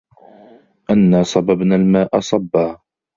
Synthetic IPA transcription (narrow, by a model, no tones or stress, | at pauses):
ʔanːaːsˤɑbabnaːlmaːʔɑsˤɑbːaː